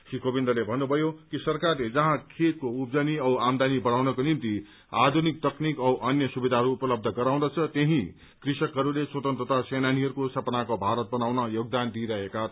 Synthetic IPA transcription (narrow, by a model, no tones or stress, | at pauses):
sikobind̪ʌlebʱʌnːubʱʌjokisʌrkarled͡zʌɦãkʰet̪̚koupd͡zʌniʌwamd̪anibʌɽ̃awnʌkonimt̪i | ad̪ʱunik̚t̪ʌknikʌwʔʌnjʌsubid̪ʱaɦʌɾuːpʌlʌb̚d̪ʱʌɡʌɾaw̃d̪ʌt͡sʰʌt̪eɦĩ | krisʌkɦʌɾulesot̪ʌnt̪rʌt̪asenaniɦʌɾukosʌpnakobʱaɾʌt̪̚bʌnawnʌjoɡd̪and̪iɾʌekat̪